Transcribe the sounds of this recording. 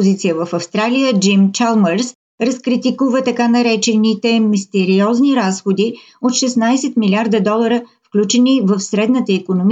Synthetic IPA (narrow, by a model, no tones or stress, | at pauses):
pozit̪sijəvəfɐfst̪ɾalijəd͡ʒimt͡ʃalˠməɾs | ɾəskɾit̪ikuvət̪ɐkanɐɾɛt͡ʃɛnit̪ɛmist̪ɛɾiɔzniɾasxod̪i | ot̪ʃɛsnajsɛt̪milʲiaɾd̪əd̪ɔlˠəɾəfklʲut͡ʃɛnivəfsɾɛd̪nət̪əikonom